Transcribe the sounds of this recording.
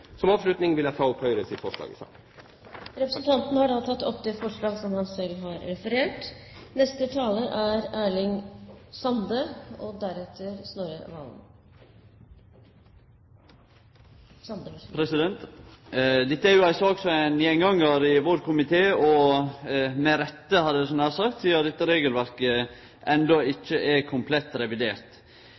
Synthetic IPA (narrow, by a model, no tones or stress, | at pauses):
sɔmɑːʋslʉt̪nɪŋʋɪlæɪt̪ʰɑːɔphœʏɾəsɪt̪fɔʂlɑ̰ːɡəsɑ̰ | ɾɛpɾəsnt̪ʰɑnt̪nəhɑɖɑt̪ʰɑt̪ːɔpːd̪ɛfɔʂɭɑːɡsɔmhɑnsɛlɦɑɾɾɛfəɾeːʈnɛst̪ət̪ʰɑːləʔæɾæːɭɪŋsɑnd̪əɔd̪æɾɛt̪ʰəɾsnoːɾə̰ʋɑ̰ːln | npʰɾɛsɪd̪ɛnt̪ | d̪ɛt̪ːəæɾjʊæɪsɔɔɡsɔɛnjɛŋɡɑŋːəɾɪʋoɾkʰʊmɪt̪ʰeːɔ | mɛɾɛt̪ːəhɑd̪əd̪ɛsɔnhæːɾsɑk̚t̪siːəɾd̪ɛt̪ːəɾeːɡəlʋæɾkə | ʔɛnd̪ɔɪt͡ʃːəʔɛkʰʊmpʰlɛt̪ːɾɛʋɪd̪eːɾt̪